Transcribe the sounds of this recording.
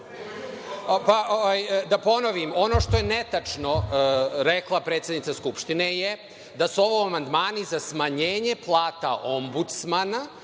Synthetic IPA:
paʔoʋajd̪apo̞noʋimo̞no̞ʂt̪ojenet̪at͡ʂno̞ɾeklˠapɾet̪sjed̪nit̪askupʃt̪ineje | d̪asuo̞ʋoamand̪maːnizasmaɲeːɲeplˠaːt̪a̰ʔo̞mbut̪smana

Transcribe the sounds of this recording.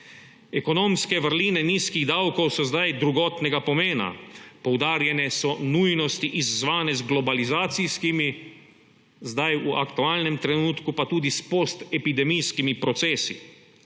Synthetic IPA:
ɛkɔnoːmskɛʋəɾliːnɛniːskiɣd̪awkowsɔzd̪ajd̪ɾuɡɔːt̪nɛɡapɔmeːna̰pɔwd̪aːɾjɛnɛsɔnujnɔst̪iʔizːʋaːnɛzɡlɔbalizaːt̪siskimi | zd̪ajuakt̪uaːlnɛmt̪ɾɛnuːt̪kupat̪uːd̪ispost̪ɛpid̪ɛmijskimipɾɔt̪sɛːsḭ

